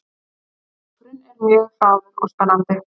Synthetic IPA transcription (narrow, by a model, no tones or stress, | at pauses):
t̪ɾɪnɛɾmjœːɣθaːwðɪɾust̪anant̪ɪ